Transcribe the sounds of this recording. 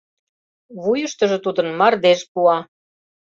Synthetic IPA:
βujə̆ʃt̪ə̆ʒɤ̆t̪ud̪ə̆nmɑrd̪eʃpuɑ

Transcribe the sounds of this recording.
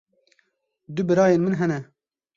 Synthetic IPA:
d̪ʊbɨɾɑːjeːnmɨnɦɛnɛ

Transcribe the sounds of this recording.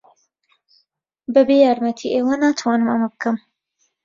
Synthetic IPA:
bɐbejaːɾmɐt̪ʰiʔeːwanaːt̪ʰwɑːnɨmɐmɐbɨkɐm

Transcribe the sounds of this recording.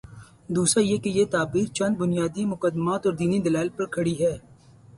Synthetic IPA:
d̪uːsɾajekejet̪aːbiːɾt͡ʃɐ̃nd̪̚bʊnijaːd̪imʊkəd̪maːt̪ɔːɾd̪iːnid̪ɐlaːɪlpɐɾkʰɐɽiɦɛː

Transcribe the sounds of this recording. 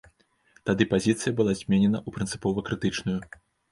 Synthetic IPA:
t̪ad̪ɨpazʲit̪sɨjɐbɨlˠazʲmʲenʲɛnɐʔupɾɨnt̪sɨ̥pɔvɐkɾɨt̪ɨt͡ʂnuju

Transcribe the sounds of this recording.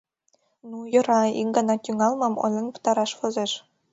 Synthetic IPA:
nujɤ̆ɾɑiŋɡɑnɑt̪ʲyŋɑlˠmɤ̆mŏ̰nlʲɤ̆nʲpɤ̥̆t̪ɑɾɑʃfɤ̆zeʃ

